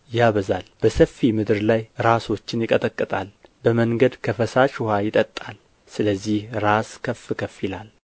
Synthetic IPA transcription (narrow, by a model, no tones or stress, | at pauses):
jaβəzalb̥əsəfːimɨd̪ɨɾlajɾaso̞t͡ʃːɪnjɪkʼət̪ʼəkʼːɨt̪ʼalbəməŋɡəd̪kʰəfəsat͡ʃʊhajɪt̪ʼət̪ʼːal | sɨləzːihɾaskʰəfːɨkʰəfilal